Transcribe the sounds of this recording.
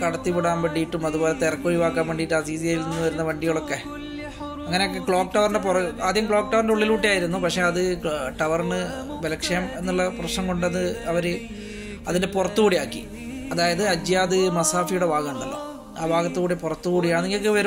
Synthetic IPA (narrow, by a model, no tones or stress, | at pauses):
kɐɽɐt̪ːipiɽaːmbeɳɖijiʈːumɐðubo̞ːle̞t̪erɐkːoːriʋaːkːaːmʋeɳɖijiʈːaːɾiːðijaːjilnenːuʋɐɾunːɐʋɐɳɖiɣɐɭo̞kːe̞ | ɐŋːɐne̞okːe̞kɭo̞ːkʈɐʋɐrndepurɐaːd̪ʱjɐɐmkɭoːk̚ʈɐʋɐrndeuɭːiluːʈːijaːjiɾunːupɐkʂe̞ɐðɨʈɐʋɐrnɨ | belɐkʂejɐme̞nːuɭːɐprɐɕnɐmkoɳɖɨɐðɨɐʋɐɾɨ | ɐðinde̞purɐt̪ːukɣuːɽijaːkːi | ɐðaːjɐðɨɐd͡ʑjaːðɨmɐsaːfijuɽebaːɣɐmɳɖɐlːɐ̰ | aːbaːɣɐt̪ːɨkuːɽipurɐt̪ːukuːɽijaːɳɨniŋɡɐlkːeʋɐɾu